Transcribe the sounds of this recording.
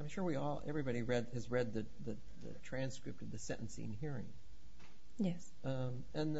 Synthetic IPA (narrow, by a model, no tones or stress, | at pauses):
ãɪ̃mʃʊɹwiɔlˠɛ̰vɹibɑɾiɹɛd̪̚ɨzɹɛd̪̚ðɨ | ðɨ | ðɨ̰tʰɹ̥æ̃nskɹɪp̚tʌvðɨsɛ̰̃ʔn̩sḭɨ̰̃nɦiɹɪ̰̃ŋ | jɛs | ʌ̃ | m | ɨ̃n